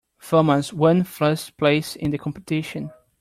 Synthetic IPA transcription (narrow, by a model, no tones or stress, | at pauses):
fɜməzwʌ̃nfə˞stpʰl̥eɪsɪ̰̃nðəkʰɔ̃mpətʰɪʃə̃n